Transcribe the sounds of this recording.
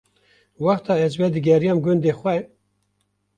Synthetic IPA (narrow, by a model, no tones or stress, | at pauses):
wɑxt̪ɑːɛzwɛd̪ɨɡɛɾijɑːmɡʊnd̪eːxwɛ